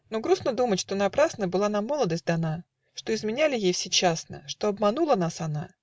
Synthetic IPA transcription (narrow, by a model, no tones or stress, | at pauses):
no̞ɡɾusnəd̪umətʲʂt̪o̞nɐpɾasnəjbɨlˠanamːo̞lˠəd̪əsʲt̚ʲd̪ɐna | ʂt̪o̞ɪzmʲɪnʲælʲɪjejfsʲet͡ɕasnə̰ʂt̪oɐbmɐnulˠənasɐna